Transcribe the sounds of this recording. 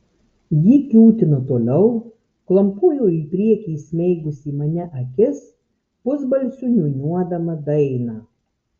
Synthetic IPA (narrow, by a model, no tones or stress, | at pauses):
jiːkʲlʲuːt̪ʲɪnʊt̪oːlʲɛʊ | klˠɐmpuːjoːiːpʲɾʲiɛkʲiːsʲmʲɛɪɡʊsʲiːmɐnʲɛʔɐkʲɪs | pʊzbɐlʲsʲʊnʲʊnʲuɔd̪ɐmɐd̪ɐɪnɑː